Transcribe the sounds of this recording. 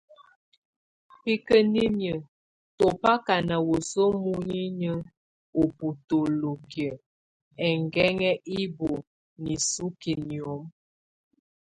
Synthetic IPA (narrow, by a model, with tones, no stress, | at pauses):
pi˦kə˦ni˦mjə˨ | to˨pa˦ka˨na˨wo˨so˦mu˦ɲi˦ɲə˦ | o˨pu˨to˨lo˨kə˨ | ɛ˨ŋɡɛ˦ŋɛ˦ʔi˦bo˨ | ni˨su˦ki˨ni˨o˨˦m